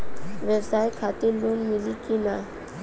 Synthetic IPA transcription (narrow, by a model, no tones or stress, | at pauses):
ʋɛbsaːjkʰat̪iɾloːnmilikina